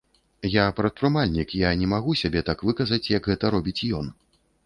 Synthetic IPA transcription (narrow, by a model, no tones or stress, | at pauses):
japɾɐt̪̚pɾɨmalʲnʲikjanʲɛmaɣusʲabʲɛt̪akvɨkɐzɐt͡sʲjɐɡɣɛt̪ɐɾɔbʲit͡sʲjɔn